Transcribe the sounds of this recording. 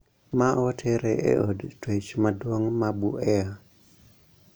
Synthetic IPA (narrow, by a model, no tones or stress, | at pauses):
maʔɔtʰeɾeʔḛʔodtwet͡ʃmadwoŋmabuʔɛa